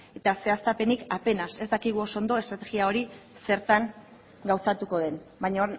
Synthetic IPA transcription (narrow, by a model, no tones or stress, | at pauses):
e̞t̪ase̞ast̪ape̞nikape̞nase̞zd̪akiɣ̞uo̞sond̪o̞e̞st̪ɾat̪e̞ɣiao̞ɾise̞ɾt̪aŋ | ɡawsat̪uko̞ð̞e̞nbajɲa